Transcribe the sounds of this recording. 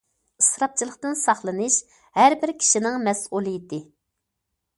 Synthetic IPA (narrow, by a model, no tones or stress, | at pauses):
ɨsɾɑp̚t͡ʃʰilˠəqt̪ɨnsɑχlˠɨnɨʃ | hæɾbɪɾkʲʰi̥ʃinɪŋmɛsulˠɨjit̪ɪ